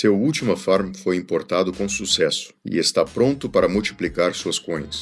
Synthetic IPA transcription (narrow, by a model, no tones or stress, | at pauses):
sewuwt͡ʃimɐfaɾmfojĩpoɾt̪ad̪ʊkõsusɛsʊ̥ɪ̰est̪apɾõnt̪ʊpaɾɐmuwt͡ʃi̥plikaɾsuɐskõj̃ɐs